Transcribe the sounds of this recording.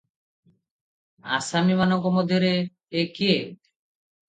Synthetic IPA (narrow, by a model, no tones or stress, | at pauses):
a̰samimanɔŋkɔmod̪ʱjoɾe | ekie